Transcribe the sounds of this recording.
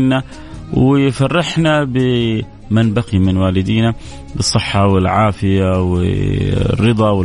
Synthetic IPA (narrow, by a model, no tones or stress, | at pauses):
nːa | wɪjfɑrˤːɪħnabɪ | manbaqimɪnwaːlɪd̪iːna | bɨsˤːɨħːɑwɪlʕaːfɪjawɪ̰ | rːɨd̪ˤɑwɪ